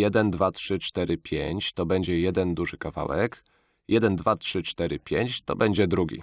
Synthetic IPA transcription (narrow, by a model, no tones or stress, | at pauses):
jɛd̪ɛnd̪vatʂɘt͡ʂt̪ɛɾɘpʲjeɲt͡ɕt̪ɔbɛɲd͡ʑɛjɛd̪ɛnd̪uʐɘkava̰wɛ̰k | jɛd̪ɛnd̪vatʂɘt͡ʂt̪ɛɾɘpʲjeɲt͡ɕt̪ɔ̰bɛɲd͡ʑɛd̪ɾuɡʲḭ